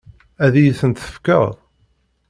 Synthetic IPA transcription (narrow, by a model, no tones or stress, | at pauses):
æðijiθənt̪θə̥fkə̰ðˤ